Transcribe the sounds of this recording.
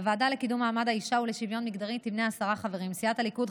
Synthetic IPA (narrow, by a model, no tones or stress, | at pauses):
vaːdale̞kidumaːmadhaiʃauleʃivjo̞nmiɡdaʁit̪ivneasaʁaχaveʁimsiathalikud